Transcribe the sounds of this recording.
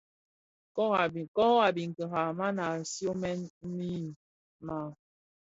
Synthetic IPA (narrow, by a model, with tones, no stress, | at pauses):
kɔ˦ɣa˨bi˨kɔ˦a˨bi˨ŋ̩˨kə˨ɦa˨ma˦na˨sjo˦mɛ˦n̩˦mi˦˨ | ma˨